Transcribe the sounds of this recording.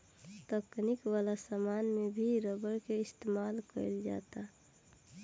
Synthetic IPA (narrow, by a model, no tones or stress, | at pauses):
t̪əknikwalasamaːnmebʱiɾəbəɾkeɪst̪eːmaːlkə̰ɪld͡ʒa̰ːt̪a